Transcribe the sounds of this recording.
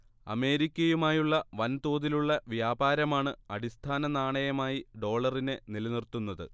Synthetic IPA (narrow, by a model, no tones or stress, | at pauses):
ɐ̰me̞ːɾikʲːɐjumaːjuɭːɐʋɐnt̪oːðiluɭːɐʋjaːbaːɾɐmaːɳɨɐɽist̪ʰaːnɐnaːɳɐjɐmaːjiɖo̞ːɭɐrinenilɐnirt̪unːɐðɨ̰